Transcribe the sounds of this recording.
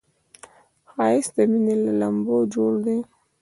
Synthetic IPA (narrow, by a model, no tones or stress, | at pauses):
xɑɪsd̪əminelalambod͡ʒold̪e